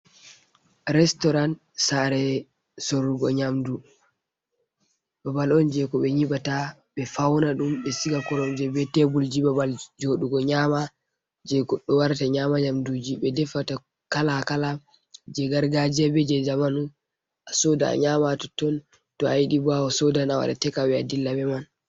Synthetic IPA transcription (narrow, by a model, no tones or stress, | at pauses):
ɾɛstɔɾan | saɾɛ | soɾuɡɔɲamdu | babalɔnd͡ʒɛkɔɓɛɲiɓata | ɓɛfawnaɗumɓɛsiɡakɔɾɔmd͡ʒɛbɛtɛbuld͡ʒibabald͡ʒoɗuɡɔɲaːma | d͡ʒɛkɔɗɔwaɾtaɲamaɲamdud͡ʒiɓɛdɛfata | kalakala | d͡ʒɛɡaɾɡad͡ʒɛbɛd͡ʒɛd͡ʒamanu | ʔasɔda̰ɲamatɔtːɔn | tɔajiɗibawɔsɔdanawa̰ɗa̰tɛkawɛadilːabɛman